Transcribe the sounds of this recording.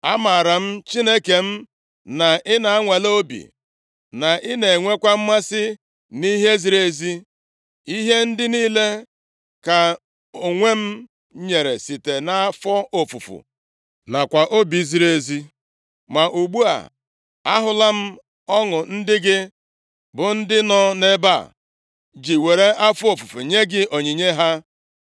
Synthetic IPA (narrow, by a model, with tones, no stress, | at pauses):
a˦ma˨ɾa˨m̩˦t͡ʃi˦ne˦ke˨m̩˦ | na˨ʔɪ˦na˨a˦ŋʷe˨lo˦bḭ˨ | na˨ʔɪ˦ne˨ŋʷe˦kʷa˦m̩˦ma˦sɪ˦ | ni˦ɦe˦zi˨ɾe˦zi˦ | i˦ɦe˦n̩˦dɪ˦niː˦le˦ | ka˨ | o˨ŋʷe˦m̩˦ | ɲe˨ɾe˨si˨te˨na˦a˦fɔ˦o˨fu˨fṵ˨ | na˨kʷa˨ʔo˦bi˨˦zi˦ɾe˨˦zi˦ | ma˨ʔu˨ɡ͡bu˦a̰˨ | a˦ɦʊ˦la˦m̩˦ | ɔ˦ŋʊ˨n̩˦dɪ˦ɡɪ˦ | bʊ˨n̩˦dɪ˦nɔ˦ne˦ba̰˦˨ | d͡ʒi˨we˨ɾe˦ʔa˦fɔ˦o˨fu˨fṵ˨ɲe˦ɡɪ˦ʔo˨ɲi˨ɲe˦ɦa˦